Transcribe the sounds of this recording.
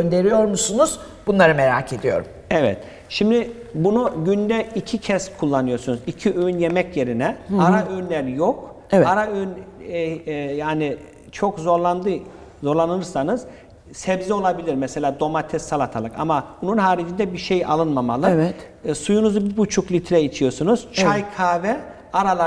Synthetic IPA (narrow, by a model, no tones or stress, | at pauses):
ønd̪e̞ɾijo̞ɾmusunuz̥ | b̥unˠaɾɯmeɾaːcʰe̞d̪ijo̞̰ɾṵm | ɛvɛ̰t̪ | ʃimd̪i | bunuɟynd̪ɛicʰicʰɛskʰulˠːanɯjo̞ɾsunuzicʰiøynje̞mɛcje̞ɾinɛaɾaøynlʲæɾjok | vaɾaøynː | jaːni | t͡ʃʰo̞kzoɾlˠand̪ɯ | zo̞ɾlˠanɯɯɾsanɯz̥ | sɛvzio̞lˠabilʲiɾmɛselʲaːd̪o̞mat̪ʰɛsalˠat̪ʰalˠɯka̰mabununɦaːɾid͡ʒind̪ɛbiɾʃeja̰lˠɯnmamalˠɯ | sujunuzubibut͡ʃʰuklʲit̪ʰɾɛit͡ʃʰijo̞sunuz̥t͡ʃʰajkʰaːvɛ | aɾalˠa